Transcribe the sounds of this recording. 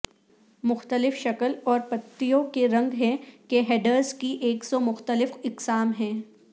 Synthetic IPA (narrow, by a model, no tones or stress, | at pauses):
mʊxt̪əlɪfʃɐkəlɔːɾpɐt̪ːijõkeɾɐ̃ŋɡɦɛ̃keɦeːɖəɾzkiʔeːksɔmʊxt̪əlɪfɪqsaːmɦɛ̃ː